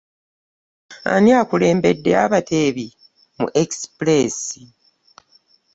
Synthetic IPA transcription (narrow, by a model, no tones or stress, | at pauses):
a̰niakule̞ːmbe̞dːe̞̰aβatʰe̞ːβi | mṵʔeksple̞ːsi